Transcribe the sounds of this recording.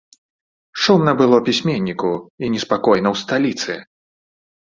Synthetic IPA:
ʂɔmnɐbɨlˠɔpʲisʲmʲenʲːikuinʲɛspakɔjnɐwst̪alʲit̪sɨ̰

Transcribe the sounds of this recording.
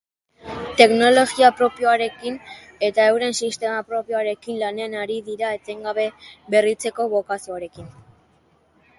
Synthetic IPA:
t̪e̞kno̞lo̞ɣiapɾo̞pijo̞aɾe̞kin | e̞t̪ae̞wɾe̞nsist̪e̞mapɾo̞pjo̞aɾe̞kinlaneanaɾiðiɾaet͡seŋɡaβe̞βe̞rit͡se̞ko̞βo̞kasioaɾe̞kin

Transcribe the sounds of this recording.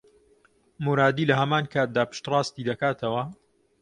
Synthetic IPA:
muɾaːd̪iːlɐɦɐmaːnkʰaːt̪̚d̪aːpɨ̥ʃt̪rˤɑːst̪id̪ɐkaːt̪ʰɐwɐ

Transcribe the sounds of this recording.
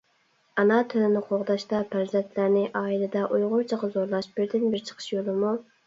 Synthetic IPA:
ɑnɑt̪ʰylɪnɪqʰoʁd̪ɑʃt̪ɑpʰæɾzɛnt̪ʰlæɾnɪʔɑːilɪd̪ɛʔujʁʊɾt͡ʃʰɑʁɑzoɾlˠɑʃbɪɾd̪ɪnbɪɾt͡ʃʰə̥qʰə̥ʃjolˠɨmu

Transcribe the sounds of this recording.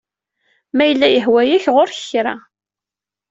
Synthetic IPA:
mæjəlːæjəhwæjæçʁoɾç̥ɾa̰

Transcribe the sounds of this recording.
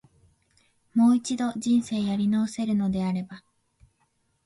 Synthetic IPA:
mo̞ːit͡ɕid̪o̞ʑĩɰ̃se̞ːjaɾʲinoːse̞ɾɯ̟no̞d̪e̞aɾe̞ba

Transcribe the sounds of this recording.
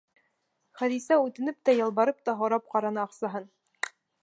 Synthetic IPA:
χæðisæʉt̪ɘ̆nɘp̚t̪æjɑ̆lˠβɑɾɤp̚t̪ɑɦŏɾɑp̚qɑɾɑnɤɑqsɑɦɤn

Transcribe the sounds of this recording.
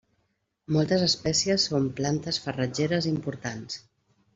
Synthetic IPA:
mɔlˠt̪əzəspɛsiəsːomplant̪əsfərəd͡ʒeɾəzimpuɾt̪ans

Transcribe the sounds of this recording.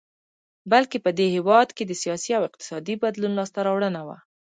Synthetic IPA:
balkepəd̪ehɪwɑd̪ked̪əsijɑsiawɪq̚t̪ɪ̥sɑd̪ibad̪lunlɑst̪aɾɑwɽənawa̰

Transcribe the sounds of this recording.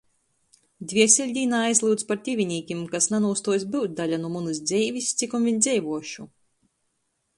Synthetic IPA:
d̪ʲvʲiɛsʲilʲd̪ʲiːnaːajzlˠɨd̪spaɾt̪ʲivʲinʲiːkʲimkasnanuːst̪uɔjs̬ʲbɨwt̪̚ʲd̪alʲanumunɨs̬d̪zʲɛjvʲist̪sikɔmvʲiɲʲd̪zʲɛjvuɔʃu

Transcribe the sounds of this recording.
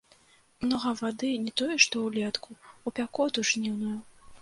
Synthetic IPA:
mnɔɣɐvad̪ɨnʲɛt̪ɔjɛʂt̪ɔwlʲɛt̪kʰuupʲakɔt̪uʐnʲiwnuju

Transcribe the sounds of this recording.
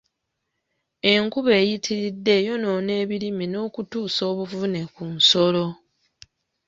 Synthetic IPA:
e̞ŋkuβe̞ːjitʰiɾidːe̞jo̞no̞ne̞ːβilimino̞ːkutuːso̞ːβuvune̞kunso̞lo̞

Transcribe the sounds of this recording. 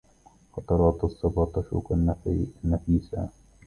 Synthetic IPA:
xɑt̪ˤɑɾˤɑːt̪ɑsˤːɑbɑt̪ˤɑʃṵːkannːafiːsa̰

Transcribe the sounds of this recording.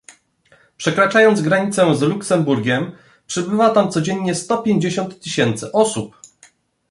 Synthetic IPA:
pʂɛkɾat͡ʂajɔnd̪zɡɾaɲit̪sɛzluksɛmbuɾɡʲɛm | pʂɘbɘvat̪amt̪sɔd͡ʑeɲːɲɛst̪ɔpʲjeɲd͡ʑeɕɔnt̪ːɘɕɛnt̪sɘʔɔsup

